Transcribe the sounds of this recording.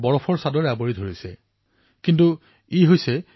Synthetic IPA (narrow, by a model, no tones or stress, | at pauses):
bɔɹɔpʰɔɹsadɔɹaboɹidʱoɹisɛ | kintu | iɦojsɛ